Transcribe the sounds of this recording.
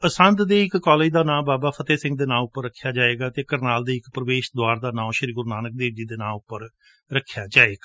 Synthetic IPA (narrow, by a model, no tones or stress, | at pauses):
əsənd̪d̪eːɪkkɔːleːd͡ʒd̪aːnãːbaːbaːpʰət̪eːsɪ̃ŋɡ̚d̪eːnãːʊpːəɾːəkʰːjaːd͡ʒaːeːɡaːt̪eːkəɾnaːld̪eːɪkpɾəʋeːʃd̪ʊaːɾd̪aːnãːʃəɾiːɡʊɾnaːnək̚d̪eːʋd͡ʒiːd̪eːnãːʊpːəɾ | ɾəkʰːjaːd͡ʒaːeːɡaː